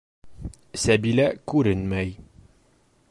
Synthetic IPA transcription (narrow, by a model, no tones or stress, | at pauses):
sæbilækʉɾɘnmæj